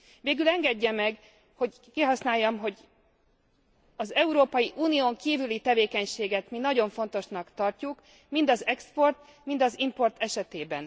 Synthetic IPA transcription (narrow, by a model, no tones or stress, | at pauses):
veːɡylɛŋɡɛɟːɛmɛɡ | ho̞ɟ | kiːɦɒsnaːjːɒmɦo̞ɟ | ɒzɛuɾoːpɒjiʔuːnijoːŋkiːvylit̪ɛveːkɛɲʃeːɡɛt̪minɒɟo̞ɱfo̞nt̪o̞ʃnɒkt̪ɒrcuk | mind̪ɒzɛkspo̞rt̪ | mind̪ɒzimpo̞rt̪ɛʃɛt̪eːbɛn